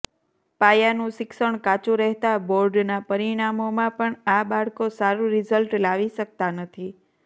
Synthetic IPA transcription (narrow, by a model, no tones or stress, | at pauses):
pajanũʃɪksəɳ̃kat͡ʃũɾəɦt̪aboɾɖnapəɾiɽ̃amomãpəɳaɓaɽkosaɾũɾɪzəlʈlaʋiʃək̚t̪anət̪ʰi